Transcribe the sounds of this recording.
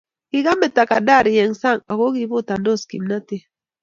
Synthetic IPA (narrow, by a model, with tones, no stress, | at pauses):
ki˦ɣa˦mɛ˨ta˨ka˨da˦˨ɾi˨jɛ˨ŋsa˦˨ŋa˨ɣo˦ɣi˦βo˦ta˨ndo˦˨skḭ˨mna˦te˦